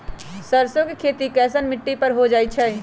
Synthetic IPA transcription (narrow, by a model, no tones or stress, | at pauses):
səɾsõkekʰeːt̪ikɛːs̬ənmɪʈːipəɾɦod͡ʒaːit͡ʃʰɛ